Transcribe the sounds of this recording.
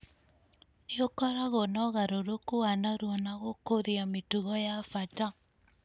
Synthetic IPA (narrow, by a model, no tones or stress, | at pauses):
jokɔɾaɣonɔɣaɾoɾokowanaɾwɔnaɣokoðiametuɣɔjafata